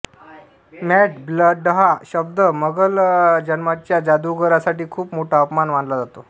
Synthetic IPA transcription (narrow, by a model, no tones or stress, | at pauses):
mɛʈbləɖəɦaɕəb̚d̪əməɡəld͡ʑənmat͡ɕjad͡zad̪uɡəɾasaʈiːkʰuːpmoʈʰaəpmanʋaɳlad͡zat̪o